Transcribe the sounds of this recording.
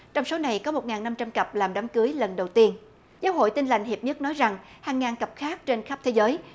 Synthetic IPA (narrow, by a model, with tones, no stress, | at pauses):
t͡ɕɔ˧wŋ͡mso˨˦na˨˩jkɔ˨˦mo˨˩t̚ŋaː˨˩nːa˧mt͡ɕa˧mkə˨˩p̚laː˨˩mɗa˨˦mkɨ˨˦əjlə˨˩nɗə˨˩wt̪i˧ən | zaː˨˦wɦo̰˧˨jt̪i˧nla˨˩jŋ̟hi˨˩p̚ɲə˦˥t̚nɔ˨˦jza˨˩ŋ | haː˨˩ŋːaː˨˩nkə˨˩p̚xaː˦˥k̚t͡ɕe˧nxa˦˥p̚t̪ʰe˨˦zəː˨˦j